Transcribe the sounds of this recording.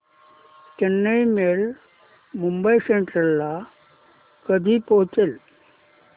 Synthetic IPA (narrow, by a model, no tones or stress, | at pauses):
kenːəimel | mumbəiseɳʈɾəlːa | kəd̪ʱiːpoɦt͡sel